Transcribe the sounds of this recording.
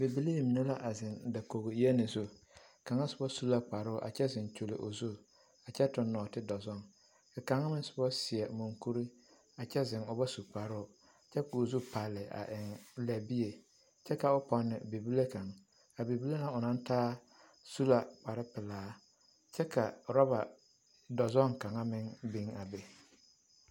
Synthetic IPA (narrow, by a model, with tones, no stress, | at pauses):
be˨bi˦le˦˨mi˨ne˦la˦ʔa˨zɪ˨nda˨ko˨ɣo˨˦e˦nɪ˨zo˦ | ka˨ŋa˦sʊ˨˦bɔ˦su˦la˦k͡pa˨ɾʊ˦˨ʔa̰˨t͡ʃɛ˦zɪ˨nt͡ʃo˨lɪ̰˨ʔʊ̰˨zu˦ | a˨t͡ʃɛ˦tʊ˨nːɔː˨tɪ˦dɔ˨zʊ˦ŋ | ka˨ka˨ŋa˦mɪ˦n˦sʊ̥˨bɔ˦sɪ˨ɛ˨mu˨ŋku˦ɾi˦ | a˨t͡ʃɛ˦zɪ˨ŋʊ˨ba˦su˨k͡pa˨ɾʊ˦ʊ˨ | t͡ʃɛ˦kʊː˨zu˦pa˨lːɪ˨a̰˨ʔɪ˨ŋlɛ˨bi˦je˨ | t͡ʃɛ˦ka˨ʊ˦pɔ˨nːɪ̰˨be˨bi˦le˦ka˨ŋ | a˨be˨bi˦le˦na˨ʊ˨nã˦n˦taː˦ | su˦la˨k͡pa˨ɾɪ˦pɪ˨laː˦ | t͡ʃɛ˦ka˨ɾɔ˦ba˨ | dɔ˨zɔ˦˨ŋka˨ŋa˦mɪ˦ŋbi˦ŋa˨be˨